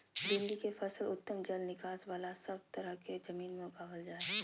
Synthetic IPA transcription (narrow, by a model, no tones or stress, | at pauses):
d͡ʒɪ̃nd̪ikefɐsəlʊt̪ːəmd͡ʒəlnɪkaːsʋaːlasɐb̚t̪ɐɾəɦked͡ʒɐmiːnmẽʊɡaːʋəld͡ʒaːe